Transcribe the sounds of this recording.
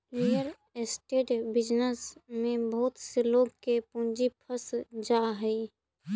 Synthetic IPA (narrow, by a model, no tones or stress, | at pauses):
ɾijəɾ | esʈeːʈbɪd͡ʒnəsmẽbəɦʊt̪seloːɡkepũnd͡ʒipʰəsd͡ʒaːɦɛi